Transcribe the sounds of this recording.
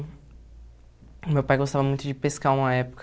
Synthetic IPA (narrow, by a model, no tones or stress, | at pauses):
mewpajɡost̪avɐmũj̃t̪ʊd͡ʒɪpeskaũmɐɛpʊ̥k